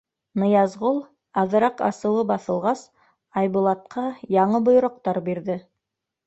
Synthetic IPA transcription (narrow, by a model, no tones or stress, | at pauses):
nɤ̆jɑzʁolˠ | ɑðɤ̆ɾɑqɑ̰sɤ̆w̪ˠɤbɑθɤ̆lˠʁɑs | ɑjβulˠɑt̪̚qʰɑjɑɴɤbŏj̆ɾŏq̚t̪ɑɾbiɾðɘ